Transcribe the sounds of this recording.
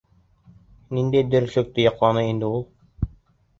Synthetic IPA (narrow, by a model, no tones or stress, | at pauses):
nind̪ejd̪ɘɾsɵ̆k̚t̪ɘjɑqlˠɑnɤind̪ɘulˠ